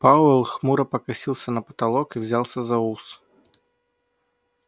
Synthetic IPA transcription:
pawɛlˠxmuɾɐpɐkasʲilˠsʲɐnɐpɐ̥t̪alˠɔkiwzʲalˠsʲɐzɐus

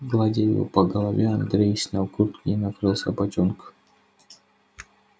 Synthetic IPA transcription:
ɡlˠadʲejṵpəɡəlˠɐvʲɛɐnd̪ɾʲejsʲnʲalˠkurt̪knʲinɐkɾɨlˠsʲa̰bɐtʲonk

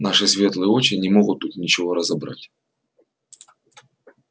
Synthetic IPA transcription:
naʂɨsʲvʲe̞t̪lˠɨjo̞t͡ɕɪnʲɪmo̞ɣʊt̪ːut̪nʲɪt͡ɕɪvo̞ɾəzɐbɾa̰tʲ

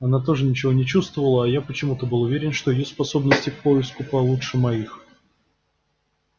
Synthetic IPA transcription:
ɐnat̪o̞ʐɨnʲɪt͡ɕɪvo̞nʲɪt͡ɕust̪vəvəlˠəːjapət͡ɕɪmut̪əbɨlˠʊvʲeɾʲɪnʂt̪oɪjospɐso̞bnəsʲtʲɪkpoɪskʊpɐlˠutʂɨmɐix

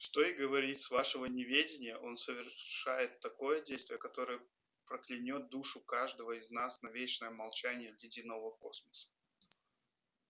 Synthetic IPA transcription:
ʂt̪o̞ɪɡəvɐɾʲit̪svaʂəvənʲɪvʲedʲɪnʲɪjəʔo̞nsəvʲɪrʂajɪt̪ːɐko̞jədʲejst̪vʲɪjəkɐt̪o̞ɾəjə | pɾəklʲɪnʲo̞t̪̚d̪uʂʊkaʐd̪əvəɪznasnɐvʲet͡ɕnəjəmɐlˠt͡ɕænʲɪjəvʲlʲɪdʲinovəko̞sməsə̥

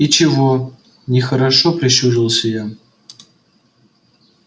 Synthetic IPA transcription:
it͡ɕɪvo | nʲɪxəɾɐʂopɾʲɪɕuɾilˠsʲəja

